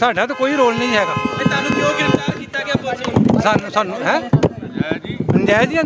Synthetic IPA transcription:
saːɖãːt̪̬okoːiːɾoːlnəĩːɦɛːɡaːet̪aːnũːokaːkiːt̪aːɡasaːnũːsaːnũːɦɛ̃ː | pənd͡ʒaːd͡ʒiː

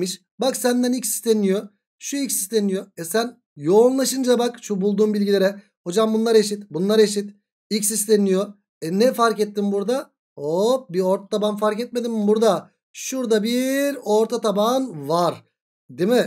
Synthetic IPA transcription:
miʃ | baksænd̪ænilcsi̥st̪enijo̞ | ʃuilʲcsi̥st̪ʰenijo̞ɛsæn | jo̞nlˠaʃɯnd͡ʒabakʃubulˠd̪uːmbilʲɟilʲeɾɛ | ho̞d͡ʒambunlˠaɾe̞ʃit̪bunlˠaɾe̞ʃit̪ | ilcʲsist̪ʰenijo | ɛnɛfaɾkɛt̪ːimbuɾd̪a | obio̞ɾt̪ʰḁt̪ʰabanfaɾcɛt̪̚me̞d̪imbuɾd̪a | ʃuɾd̪abiɾo̞ɾt̪ʰat̪ʰabanvaɾ | d̪imɪ

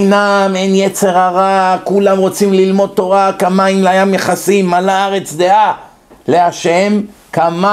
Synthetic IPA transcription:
namenjet͡se̞ʁaʁakulamʁo̞t͡simlilmo̞d̪̚t̪o̞ʁakamaimlajamjeχasimːalaaʁe̞t͡sd̪e̞a | le̞aʃe̞m | kama

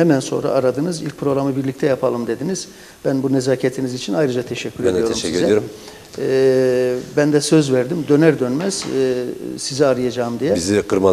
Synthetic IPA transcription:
hɛmænso̞̰nɾa̰ʔaɾad̪ɯnɯzilʲc̚pʰɾo̞ɡɾamɯbiɾlʲict̪ʰɛjapʰalˠɯmd̪e̞d̪iniz̥ | b̥ænbunezaːcʰet̪ʰinizit͡ʃʰinajɾɯd͡ʒat̪ʰeʃɛcʰʲːyɾjoɾmʃɾ | bænd̪ɛsø̞zvæɾd̪imd̪ø̞næɾd̪ønmæz̥ | sizɛaɾɯjad͡ʒaːɯmd̪ijɛizikʰɯɾma

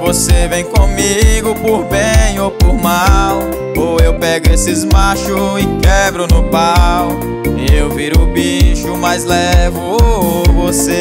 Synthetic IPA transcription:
vosevẽj̃kõmiɡʊpoɾbẽj̃opoɾmaw | oewpɛɡʊesɪzmaʃʊɪkɛbɾʊnʊpaw | ewviɾʊbiʃʊmajzlɛvʊovose

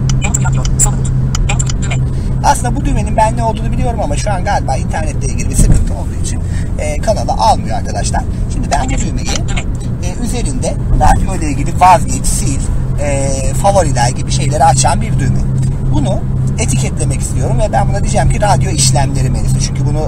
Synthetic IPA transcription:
asɯnd̪abud̪ymeninbænːɛo̞lˠd̪uːnubilʲijo̞ɾumamaʃuanɡaːlʲbaːint̪ʰæɾnɛt̪ʰːʲejɛɟiɾbisɯkɯnt̪ʰɯo̞lˠd̪uːit͡ʃʰin | ɛːkʰanalˠa̰ʔalˠmɯjoaɾkʰad̪aʃlˠaɾ̥ʃimd̪ibænbud̪ymeji | ɛːyze̞ɾind̪ɛ | ɾad̪jo̞lʲejiɟibivazɟit͡ʃʰsilʲɛːfavoɾid̪ʲæɾɟibiʃe̞jlʲeɾɛat͡ʃʰanbiɾd̪ymɛ̰ | bunu | e̞t̪ʰicɛt̪lʲe̞mɛci̥st̪ʰijo̞ɾumvɛbænbunad̪id͡ʒɛmcʰiɾad̪ijo̞iʃlʲæmlʲeɾimelʲisɯt͡ʃʰyɲcʰybunu

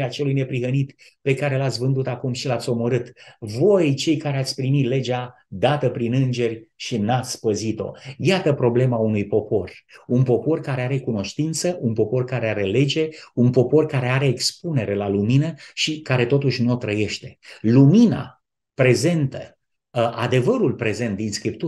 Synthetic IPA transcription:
eat͡ʃe̞lujne̞pɾiɦənit̪pe̞kaɾe̞lat̪sʲvɨnd̪ut̪akumʃilat̪sʲo̞mo̞ɾɨt̪vo̞jt͡ʃe̞jkaɾeat̪sʲpɾimit̪le̞d͡ʒa | d̪at̪əpɾinɨnd͡ʒe̞rʲʃinat̪sʲpəzit̪o̞̰jat̪əpɾo̞ble̞maunujpo̞po̞runpo̞po̞rkaɾe̞aɾe̞kuno̞ʃt̪int̪səʔunpo̞po̞rkaɾe̞aɾe̞le̞d͡ʒe̞unpo̞po̞rkaɾe̞aɾe̞ːkspune̞ɾe̞laluminəʃikaɾe̞t̪o̞t̪uʃʲnuot̪ɾəje̞ʃt̪e̞̥lumina̰ | pɾe̞ze̞nt̪ə | ʔad̪e̞vəɾulpɾe̞ze̞nt̪̚d̪inskɾipt̪u

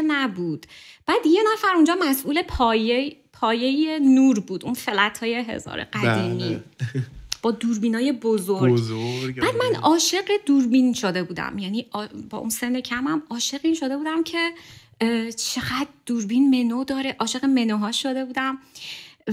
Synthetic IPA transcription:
næbuːd̪̥b̥æːd̪je̞næfæɾund͡ʒɒːmæsʔuːle̞pʰɒje | pʰɒːje̞jenuːɾbuːd̪unfe̞læt̪ʰhɒːjeɦe̞̰zɒ̰ːɾḛɢæd̪iːmi | b̥ɒːd̪uːɾbiːnɒːjebozoɾɡæːd̪mænɒːʃe̞ɢed̪uɾbinʃod̪e̞buːd̪æ̰mjæniːɒbɒ̰ːʔṵnsenːecʰæmæmɒːʃe̞ɣiːnʃod̪e̞buːd̪æmcʰe̞ | t͡ʃʰe̞ɢæd̪d̪̥uɾbinme̞nod̪ɒːɾeʔɒːʃe̞ɣeme̞noɦɒːʃod̪e̞buːd̪æm

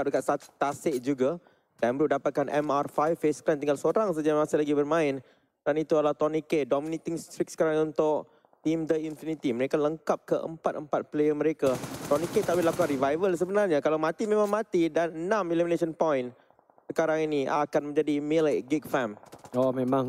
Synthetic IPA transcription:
ap̚dəkat̪̚sat̪aseʔd͡ʒuɡa | danbəɾuʔdapat̪̚kanʔɛ̰marfajfesklant̪̬iŋɡalsoɾaŋs̬ad͡ʒamasɪlaɡibərmãɪn | danit̪uadlaht̪ɔnikedɔminit̪iŋst̪ɾik̚sə̥kaɾaŋunt̪ʊʔ̚ | t̪imd̪əinfinit̪iməɾekaləŋkap̚kəʔə̰mpat̪̚əmpat̪̚plejəmə̃ɾekat̪ɔniket̪aʔbɪlapukaɾivajvəls̬əbənarɲakalawmãt̪imẽmãŋmãt̪idanənãmilimineʃənpɔjn | səkaɾaŋiniakanmə̃ɲd͡ʒadimelaɡik̚famomẽmãŋ

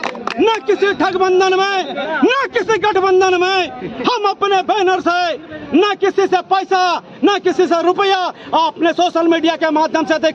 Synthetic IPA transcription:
nəkisʰiʈʰəɡbənd̪ənmenəkisʰiɡəʈʰbənd̪ənmehəməpnebʱenəɾsənəkisʰisepəjsa | nəkit͡ʃʰis̬ẽɾupəjaəpnesosəlmiɖijakemad̪ʱjəmsed̪ek

